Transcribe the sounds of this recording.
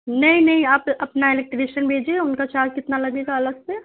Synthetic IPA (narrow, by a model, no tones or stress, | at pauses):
nɐɦĩnɐɦĩaːpɐpnaɪlɛk̚ʈɪʋeːʃənbʱeːd͡ʒieʊnkat͡ʃaːd͡ʒkɪt̪nalɐɡeɡaɐləɡse